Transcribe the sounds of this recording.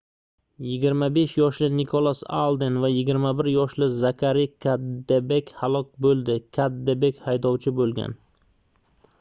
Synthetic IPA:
jɪɡʲɪɾmabe̞ʃjɒʃlɪnɪkʰolˠasa̰lˠd̪envajɪɡʲɪɾmabɪɾjɒʃlɪzakʰʲaɾikʲʰad̪ːebekʲhalˠɒk̚ʲbolˠd̪ɪkʲʰad̪ːebekʲhajd̪ɒwt͡ʃʰɪbolˠɡʲa̰n

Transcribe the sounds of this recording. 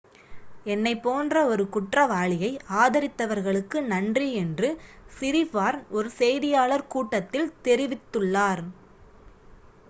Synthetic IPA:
ɛnːɐɪpːoːndrɐɔɾɯkʊʈrɐʋaːɭɪjɐɪaːðɐɾɪt̪ːɐʋɐɾɣɐɭɯkːɯnɐndriɛndrɯsɪɾifaːɾnɔɾɯsɛjðɪjaːɭɐɾkuːʈːɐt̪ːɪlt̪ɛɾɪʋɪt̪ːɯɭːaːɾ

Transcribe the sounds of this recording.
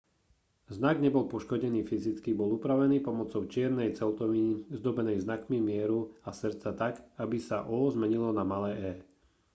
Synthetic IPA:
znaɡɲɛbɔlpɔʃkɔɟɛniːfizit͡skibɔluːpɾaʋɛniːpɔmɔt͡sɔʊt͡ʃɪɛɾnɛjt͡sɛlt̪ɔizd̪ɔbɛnɛjznakmimɪɛɾuasɾ̩t͡sat̪aɡabisaʔɔːzmɛɲilɔnamalɛːɛː

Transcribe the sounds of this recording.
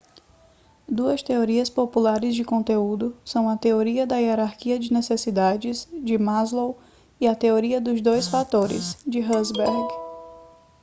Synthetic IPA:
d̪uɐst̪eoɾiɐspopulaɾɪzd͡ʒɪkõnt̪eud̪ʊsɐ̃w̃ɐt̪eoɾiɐd̪ɐieɾaɾkiɐd͡ʒɪnesesid̪ad͡ʒɪzd͡ʒɪmazlow | iɐt̪eoɾiɐd̪ʊzd̪ojsfat̪oɾɪ̰zd͡ʒɪɦɐzbɛɾɡ

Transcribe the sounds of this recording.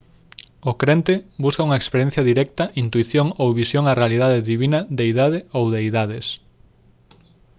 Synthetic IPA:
okɾent̪ebuskɐuŋɐekspeɾjɛn̟θjɐðiɾɛkt̪ɐʔint̪uiθjoŋowβisjoŋarealið̞aðeðiβinɐd̪eiðaðɪowðeiðaðes

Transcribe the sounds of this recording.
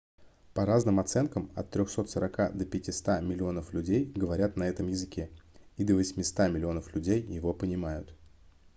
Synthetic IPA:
pɐɾaznɨmɐt̪sɛnkəmɐ̰t̪ːɾʲoxso̞t̪səɾɐkad̪əpʲɪtʲɪst̪amʲɪlʲɪo̞nəflʲʉdʲejɡəvɐɾʲat̪nɐɛt̪əmjɪzɨkʲʰeid̪əvəsʲmʲɪst̪amʲɪlʲɪo̞nəflʲʉdʲejːɪvo̞pənʲɪmajʊt̪

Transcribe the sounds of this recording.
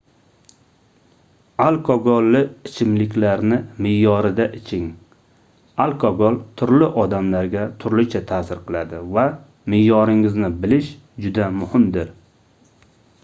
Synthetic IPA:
alˠkʰɒɡolːɪɪt͡ʃʰɪmlɪkʲlaɾnɪmɪjːɒɾɪd̪aʔɪt͡ʃʰɪŋ | alˠkʰɒɡolˠt̪ʰʊɾlɪʔɒd̪amlaɾɡʲat̪ʰʊɾlɪt͡ʃʰat̪ʰaːsɪɾqʰɨlˠad̪ɪva | mɪjːɒɾɪŋɪznɪbɪlɪʃ | d͡ʒʊd̪amʊhɪmd̪ɪɾ

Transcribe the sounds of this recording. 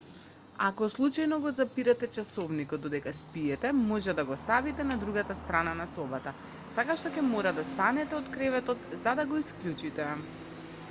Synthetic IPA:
akɔslˠut͡ʃajnɔɡɔzapiɾat̪ɛt͡ʃasɔvnikɔd̪ɔd̪ɛkaspiɛt̪ɛmɔʒɛd̪aɡɔst̪avit̪ɛnad̪ɾuɡat̪ast̪ɾananasɔbat̪a | t̪akaʃt̪ɔkʲɛmɔɾad̪ast̪anɛt̪ɛɔt̪kɾɛvɛt̪ɔt̪zad̪aɡɔisklʲut͡ʃit̪ɛ

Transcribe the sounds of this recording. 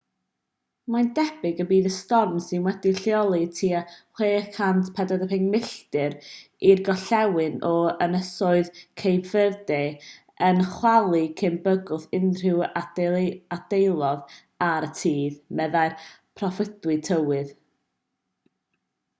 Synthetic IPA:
majndɛb̥ɪɡəbiːðəstɔrmsɪnwɛdɪɬjɔlˠitʰiːaχweːkʰantʰpʰɛdɔdəpɪŋmɪɬtɨɾ | irɡɔɬɛwɪnɔənəsɔɨðkʰejbvɪrdɛ | ənχwalˠikʰɪmbəɡʊθɪnr̥ɪwaad̥ejlˠɔð | aɾətʰiːðmɛðaɨrpʰrɔfɪdwɨtʰəwɨð

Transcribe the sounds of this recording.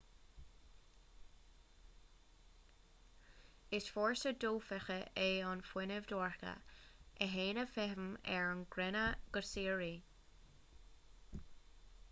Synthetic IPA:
ɪsfɔːɹsəduːfɛxəeɑnfwɪnəvd̪ɔːɹkə̰ʔəɦeːnəfɛɦəmɛɹnɡɾɛnəɡ̥əɹsiːɹi

